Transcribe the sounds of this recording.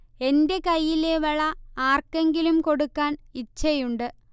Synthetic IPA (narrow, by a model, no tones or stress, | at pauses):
e̞nde̞kɐjːileʋɐɭɐaːrkːeŋɡilumko̞ɽukːaːnit͡ɕːɐjuɳɖɨ